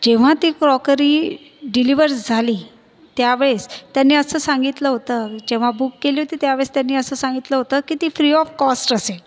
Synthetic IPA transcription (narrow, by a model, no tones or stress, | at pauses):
d͡ʑeʋ̤at̪iːkɾɔkəɾiː | ɖiliʋəɾsd͡zʱaliː | t̪jaʋeɭest̪janːiːəsəːsãŋɡit̪ləɦot̪əd͡ʑeʋ̤abukːeliɦot̪iːt̪jaʋeɭest̪janːiːəsəːsãŋɡit̪ləɦot̪əkiːt̪iːfɾiɔfkɔsʈəse